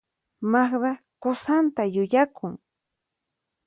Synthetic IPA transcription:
maχd̪a | kʊsant̪ajʊʎakʰʊŋ

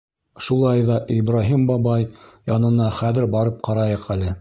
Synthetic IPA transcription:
ʃulˠɑjðɑʔibɾaɦimbɑbɑjjɑnɤ̆nɑχæðɘɾbɑɾɤp̚qɑɾɑjɤqælɘ

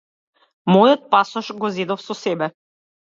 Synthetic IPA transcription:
mɔjot̪̚pasɔʃɡɔzɛd̪ofsɔsɛbɛ

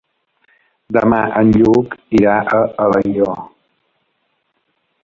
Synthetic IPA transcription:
d̪əmaʔənʎukiɾaʔəələjʎɔ

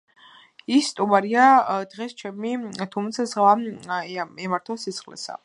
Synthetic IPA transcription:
isːt̪ʼumaɾiad̪ʁɛst͡ʃʰɛmit̪ʰumt̪sʰazʁva | ɛmaɾt̪ʰɔsit̪sχlɛ̰sa̰

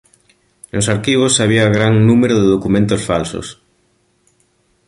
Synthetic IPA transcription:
nosaɾkiβ̞osaβ̞iaɣɾaŋnũmeɾoðeðokumẽnt̪osfalso̰s

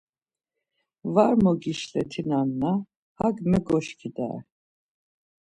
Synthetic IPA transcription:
vaɾmɔɡiʃlɛt̪ʰinanːa | haɡmɛɡɔʃkʰid̪a̰ɛ̰

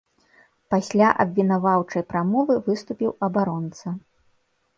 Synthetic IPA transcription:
pasʲlʲaʔɐ̰bʲvʲinavawt͡ʂɐjpɾamɔvɨvɨst̪upʲiwɐbaɾɔnt̪sɐ

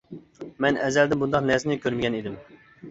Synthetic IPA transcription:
mɛnɛzɛld̪ɪbund̪ɑqnɛznɪkʲʰøɾmɪɡʲɛnid̪ɪm

